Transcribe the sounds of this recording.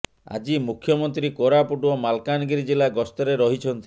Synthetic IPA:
a̰d͡ʒimukʰːjɔmɔnt̪ɾikoɾapuʈuɔmalkanɡiɾid͡ʒilaɡɔst̪ɔɾeɾɔɦit͡ʃʰɔnt̪i

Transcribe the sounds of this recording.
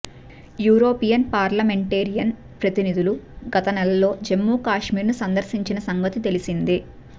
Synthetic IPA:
juːɾo̞ːpijɐnpaːɾlɐme̞ɳʈeːɾijɐn | pɾɐt̪inid̪uluɡɐt̪ɐnɛlɐlo̞ːd͡ʒe̞mːuːkaːʂmiːɾnusɐnd̪ɐɾsiɲt͡ʃinɐsɐŋɡɐt̪it̪e̞lisind̪i

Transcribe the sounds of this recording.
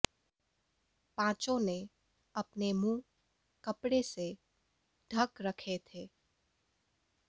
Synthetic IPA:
pãːt͡ʃõne | ɐpnemũː | kɐpɽese | ɖʱɐkɾɐkʰet̪ʰeː

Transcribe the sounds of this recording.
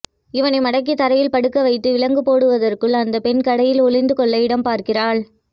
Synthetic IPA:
ɪʋɐnɐɪmɐɽɐk̬ːit̪ːɐɾɐjɪlpɐɽɯkːɐʋɐɪt̪ːɯʋɪlɐŋɡɯpoːɽɯʋɐðɐrkɯɭɐnd̪ɐpɛnkɐɽɐjɪlɔɭɪnd̪ɯkɔɭːɐɪɽɐmpaːɾkɪraːɭ

